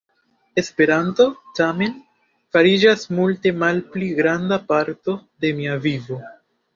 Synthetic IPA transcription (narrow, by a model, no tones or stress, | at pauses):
e̞spe̞ɾanto̞tame̞n | faɾid͡ʒasmulte̞malpliɡɾandapaɾto̞de̞miavivo̞